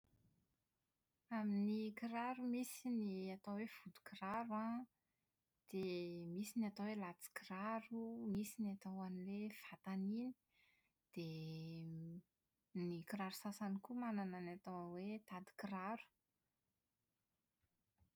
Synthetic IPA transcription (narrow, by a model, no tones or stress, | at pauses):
aminikiɾaɾumisiniat̪awev̥ud̪u̥kiɾaɾua | d̪̥emisinat̪awelat͡si̥kiɾaɾumisinat̪awanilev̥at̪anini̥ | d̪̥e | nikiɾaɾu̥sasanikumanananat̪awwet̪ad̪i̥kiɾaɾu̥